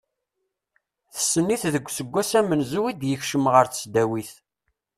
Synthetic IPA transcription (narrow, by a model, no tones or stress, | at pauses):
θə̥sːənːiθðəɡʷːsəɡʷːæsæmənzuwid̪jəçʃəmʁəɾθə̥sd̪æwiθ